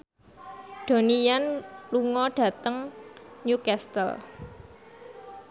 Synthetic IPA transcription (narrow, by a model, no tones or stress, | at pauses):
ɖ̥o̤nijanluŋɔɖ̥ä̤t̪əŋɲukɛst̪ə̰l